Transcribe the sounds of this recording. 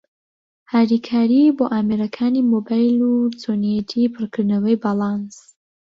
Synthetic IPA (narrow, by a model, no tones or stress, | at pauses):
haːɾikʰaːɾiboːʔaːmeɾɐkʰaːniːmobajlut͡soniɛt̪ʰipʰɨrkʰɨɾnɐwɐjbaːlˠɑns